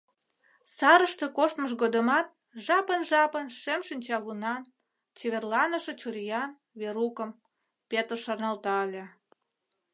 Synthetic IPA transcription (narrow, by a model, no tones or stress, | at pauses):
sɑɾəʃt̪ekoʃt̪məʃ̬ɣod̪əmɑt̪̚ | ʒɑpənʒɑpənʃemʃinʲt͡ɕɑɣunɑn | t͡ɕeβʲerlɑnəʃet͡ɕurjɑn | βeɾukə̆m | pet̪ərʃɑrnɑlt̪ɑəlʲĕ